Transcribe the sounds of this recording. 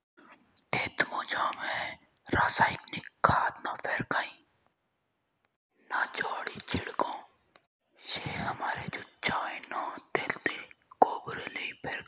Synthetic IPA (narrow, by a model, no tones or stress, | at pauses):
t̪eːt̪moːd͡ʒaːmẽ | ɾaːsaːɪknikkʰːaːt̪napʰɛːɾkaːĩ | nad͡ʒaːɽit͡ʃʰɪɽkõː | ʃeɦɐmaːɾed͡ʒoːt͡ʃaːjnõd̪eːlt̪ekoːbɾeleipʰeːɾ